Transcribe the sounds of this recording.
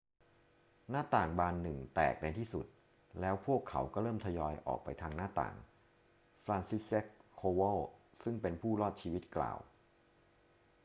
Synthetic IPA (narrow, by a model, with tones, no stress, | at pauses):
naː˥˩t̪aː˨˩ŋbaː˧nːɯ˨˩ŋt̪ɛ̰ː˨˩k̚da˧jt̪ʰiː˥˩sṵ˨˩t̪̚ | lɛː˦˥wpʰu˥˩əkʰːa̰˩˦wkɔ˥˩ɾɤː˥˩mt̪ʰa˧jɔː˧jʔɔ̰ː˨˩k̚pa̰˧jt̪ʰaː˧ŋnaː˥˩t̪a̰ː˨˩ŋ | flaː˧nsi˦˥se˦˥kʰːoː˧wɤ˥˩sɯ˥˩ŋpe˧npʰuː˥˩lɔː˥˩t̪̚t͡ɕʰiː˧wi˦˥t̪̚kla̰ː˨˩w